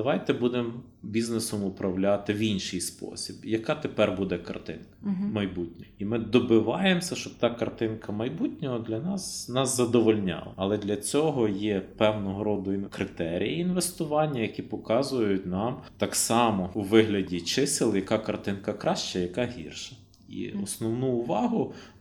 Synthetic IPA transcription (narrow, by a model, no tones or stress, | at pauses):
d̪ɐʋɑjt̪ɛbud̪em | bʲiznesɔmʊpɾɐwlʲat̪ɪʋʲinʲʃɨjspɔ̰sʲibjɐkɑt̪epɛrbud̪ɛkɐ̰rt̪ɪ̰nkɐmɐjbutʲnʲɔimɪd̪ɔbɪʋɑjemsʲɐʃt͡ʃɔb̚t̪ɑkɐrt̪ɪnkɐmɐjbutʲnʲɔɦɔd̪lʲɐnɑsnɑszɐd̪ɔʋɔlʲnʲɑ̰lˠɐ̰ɐlˠɛd̪lʲɐt͡sʲɔɦɔjɛpɛwnɔɦɔɾɔd̪ʊinkɾɪt̪ɛɾʲḭjiinʋest̪ʊʋɑnʲːɐjɐkʲipɔkɑzʊjʊtʲnɑmt̪ɑksɑmɔuʋɪɦlʲɐdʲit͡ʃɪsɪlˠjɐkɑkɐrt̪ɪnkɐkɾɑʃt͡ʃɐjɐkɑɦʲḭrʃɐ̥ | ḭɔsnɔwnuːʋɑɦʊ